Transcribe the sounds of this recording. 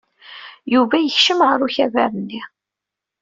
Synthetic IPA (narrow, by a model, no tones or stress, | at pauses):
juvæjəçʃəmʁəɾuçævæɾənːi